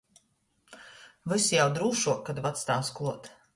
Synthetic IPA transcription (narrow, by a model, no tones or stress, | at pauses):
vɨsjawd̪ɾuːʃuɔkːad̪vat̪st̪aːsklˠuɔt̪